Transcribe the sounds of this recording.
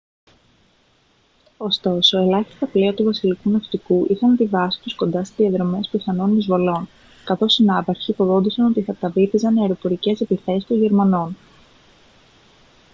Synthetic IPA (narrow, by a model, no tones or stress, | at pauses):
o̞st̪o̞so̞e̞lɐçi̥st̪ɐpleɐt̪uvɐsilikunɐft̪ikuʔixɐnɐt̪ivɐsi̥t̪usko̞nd̪ɐst̪izðiɐðɾo̞me̞spiθɐno̞nmizvo̞lo̞n | kɐθo̞sinɐpɐɾçiːpo̞ðo̞nd̪isɐno̞t̪iθɐt̪ɐvifizɐneɐeɾo̞po̞ɾice̞se̞piθe̞sist̪o̞nʝe̞ɾmɐno̞n